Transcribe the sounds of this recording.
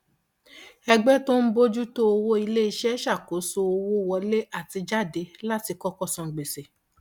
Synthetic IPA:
ɛ˧ɡ͡bɛ˦to˦n̩˦bo˦d͡ʒu˦to˦o˧wo˦i˧le˦i˧ʃɛ˦ʃa˦˨ko˨˦so˧o˧wo˦˧wɔ˧le˦a˦˨ti˧d͡ʒa˦˨de˧˦la˦ti˧kɔ˦kɔ˦˨sɔ̃˧˨ɡ͡be˨se˨

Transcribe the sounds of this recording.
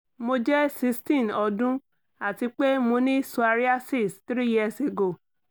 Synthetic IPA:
mo˧d͡ʒɛ˦si˧stĩ˦˨nɔ˧dũ˦ | a˨ti˧k͡pe˦mo˧nĩ˦su˧a˧ɾi˦a˦si˦˨stɾi˦jɛ˦˨se˨ɡo˨

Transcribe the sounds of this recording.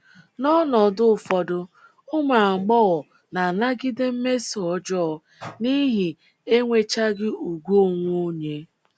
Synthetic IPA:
nɔ˦nɔ˨dʊ˦˨fɔ˨dʊ˦ | ʊ˦ma˨ŋ͡m̩˨ɡ͡bɔ˦ɣɔ˨ | na˨na˦ɡɪ˦dɪ˦m̩˦me˦si˨ɔ˦d͡ʒɔ˦˨ | ni˦ɦi˨ | e˦ŋʷe˦t͡ʃa˦ɡɪ˦u˨ɡʷu˦˨ŋʷo˦ɲe˦

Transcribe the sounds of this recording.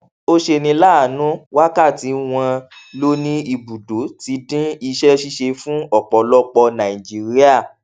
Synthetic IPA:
o˦ʃe˧nĩ˧la˦˨nũ˨˦wa˦ka˦˨ti˨˦w̃ã˧lo˦nĩ˦i˧˨bu˨do˨˦ti˧˦dĩ˦i˧ʃɛ˦ʃi˦ʃe˧fũ˦ɔ˦˨k͡pɔ˨lɔ˦k͡pɔ˧nã˨i˨d͡ʒi˦ɾi˦a˦˨

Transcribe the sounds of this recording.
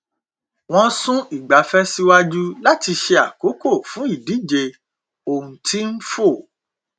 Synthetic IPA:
w̃ɔ̃˦sũ˦i˦˨ɡ͡ba˨˦fɛ˦si˦wa˦d͡ʒu˦la˦ti˧ʃe˧a˨ko˨˦ko˦˨fũ˨˦i˦˨di˨˦d͡ʒe˧ | o˨ũ˨ti˦n̩˦fo˦˨

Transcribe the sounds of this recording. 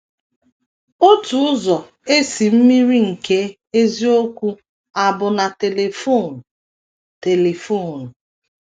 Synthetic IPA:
o˦tu˨ʊ˦zɔ˨ | e˦si˨m̩˦mi˦ɾi˦ŋ̩˨ke˦ | e˦zi˦o˦kʷu˦ | a˨bʊ˨na˨te˨le˨fo˦˨nʊ˨ | te˨le˨fo˦˨nʊ˨

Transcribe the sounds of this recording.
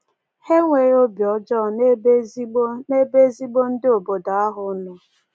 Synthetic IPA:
he˦ŋʷe˨ɾo˦bjɔ˨d͡ʒɔ˦˨ne˦e˦ne˦be˦zi˦ɡ͡bo˦n̩˦dɪ˦o˨bo˨da˨a˦ɦʊ˨˦nʊ˨

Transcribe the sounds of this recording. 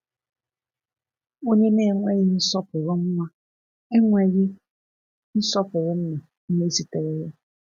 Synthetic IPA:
o˦ɲe˦ne˦˨ŋʷe˦ɣɪ˦n̩˦sɔ˦pʊ˨ɾʊ˦m̩˦ma˦ | e˦ŋʷe˨ɣɪ˦ | n̩˦sɔ˦pʊ˨ɾʊ˦m̩˦ma˨ | m̩˦ne˦si˨te˨ɾe˦ja˦

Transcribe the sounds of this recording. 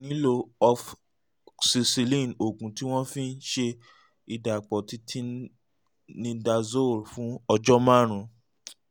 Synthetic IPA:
nĩ˦lo˧ɔ˧f | si˧si˧lĩ˦˨no˨ɡũ˨ti˦w̃ɔ̃˦fĩ˦n̩˦ʃe˧ | i˨da˨k͡pɔ˨ti˦tʰi˦ | nĩ˧da˧zo˦˨ɾfũ˨˦ɔ˧d͡ʒɔ˦mã˦˨ɾ̃ũ˧

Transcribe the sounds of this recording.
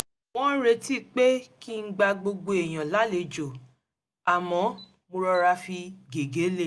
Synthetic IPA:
w̃ɔ̃˦ɾe˧ti˦˨k͡pe˦ki˦n̩˦ɡ͡ba˧ɡ͡bo˧ɡ͡bo˧e˨j̃ã˨la˨˦le˧˦d͡ʒo˨ | a˨mɔ̃˨˦ | mõ˧ɾɔ˧ɾa˧fi˧ɡe˨ɡe˨˦le˦˨

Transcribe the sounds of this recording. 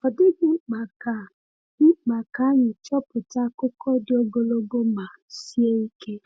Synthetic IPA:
ɔ˨dɪ˦ɡ̩˦k͡pa˨kḁ˨˦ | k͡pa˨ka˨˦ɲʊ˨t͡ʃɔ˦pʊ˨ta˦kʊ˦kʰɔ˦do˦ɡo˨lo˦ɡo˦ma˨si˦e˦i˦kʰe˦

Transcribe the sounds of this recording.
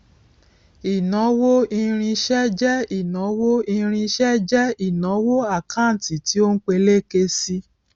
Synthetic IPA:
i˨nɔ̃˨˦wo˦i˧ɾ̃ĩ˧ʃɛ˦d͡ʒɛ˦i˨nɔ̃˨˦wo˦i˧ɾ̃ĩ˧ʃɛ˦d͡ʒɛ˦i˦˨nɔ̃˨˦wo˦a˦˨kã˦n̩˨ti˨ti˦o˦n̩˦k͡pe˧le˦ke˧si˧˦

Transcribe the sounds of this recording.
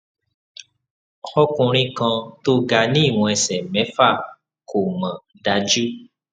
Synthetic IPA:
xɔ˦kũ˧ɾ̃ĩ˦kã˧to˧ɡa˧nĩ˦˨wɔ̃˧ɛ˧sɛ˨mɛ̃˨˦fa˦˨ | kʰo˨mã˨ | da˨˦d͡ʒu˦

